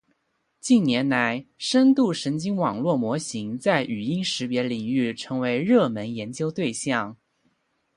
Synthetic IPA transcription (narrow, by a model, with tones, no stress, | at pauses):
t͡ɕi˥˩nnjɛ˧˥nla˧˥ɪʂə˥nt̪u˥˩ʂə˧˥nt͡ɕi˥ŋwɑ˨˩ŋlwɔ˥˩mwɔ˧˥ɕi˧˥ŋt͡sa˥˩ɪʔy˨˩i˥ŋʂɻ̩˧˥pjɛ˧˥li˨˩ŋy˥˩ʈ͡ʂʰɤ˧˥ŋwe˧˥ɪɻɤ˥˩mə˧˥njɛ˧˥nt͡ɕjo˥ʊt̪we˥˧ɪɕjɑ˥˩ŋ